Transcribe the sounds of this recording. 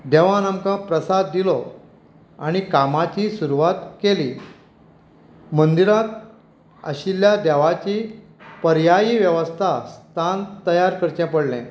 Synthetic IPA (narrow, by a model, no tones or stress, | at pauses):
d̪ɛʋãnamkãpɾəsad̪ːilɔ | aɽ̃ikamat͡ɕiːsuɾuʋat̪keliː | mənd̪iɾat̪ | ə̰ɕiljad̪ɛʋat͡ɕiː | pəɾjajiːʋjəʋəst̪ʰast̪ʰant̪əjaɾkəɾt͡ɕjãpəɽlɛ̰̃